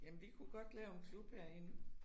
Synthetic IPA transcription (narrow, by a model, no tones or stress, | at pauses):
jæmnʋikʰuɡ̥ɒ̽d̥lɛːʊenkʰlub̥heɐ̰e̝n